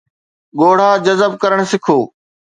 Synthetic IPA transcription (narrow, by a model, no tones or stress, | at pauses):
ɠoːɽ̤ãːd͡ʑɐzəb̚kɐɾəɽ̃sɪkʰoː